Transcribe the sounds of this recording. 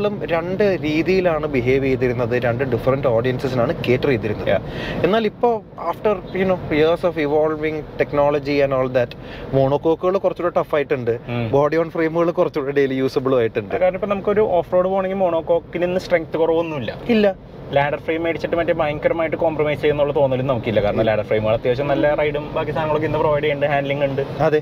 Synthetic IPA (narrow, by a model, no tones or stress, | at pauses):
ɭumɾeɳɖɨɾiːðijilaːɳɨbiɦe̞ːʋijejt̪ːiɾunːɐðɨɾe̞ɳɖɨɖifɐrɐnɖo̞ːɖijɐnsɨsinaːɳɨke̞ːtːɨrijt̪ːiɾunːɐð̰ɨenːaːlipːo̞ː | aːfʈɐrjuno̞ːjirsoːfiʋoːlʋiŋʈe̞knoːlɐd͡ʑiɐnoːɭd̪ɐtːmo̞ːɳoːkːoːkːuɣɐɭkurɐt͡ɕːuɽɐʈɐfːaːjiʈːuɳɖɨboːɖioːɳɖfreːmuɣɐɭkurɐt͡ɕːuɽɐɖelijuːsɐbɨɭʋaːjiʈːuɳɖɨkːaːɾɐnɐmipːɐnɐmukːɨoɾuʔoːfroːɽɨpo̞ːɳeŋɡilmoːɳoːkːo̞ːkːininːɨsʈreŋk̚t̪ːɨkurɐʋunːuilːɐ̰ilːɐ | laːɖɐrfrejmeɽit͡ɕːiʈːɨmɐtːebaːjŋkːɐɾɐmaːjiʈːɨko̞ːmprɐmɐjsɨt͡ɕe̞jːunːuɭːɐt̪o̞ːnːʋɐlːunnɐmukːilːɐkaːɾɐɳɐlaːɖɐrfreːmɣaːɭɐt̪ːjaːiɕɐmnɐlːɐrɐjɽumbaːkːist̪ʰaːnɐŋːɐɭok̬ːindɐproʋɐjɽɐjuɳɖɨɦaːnɖliŋɡuɳɖɨɐðe̞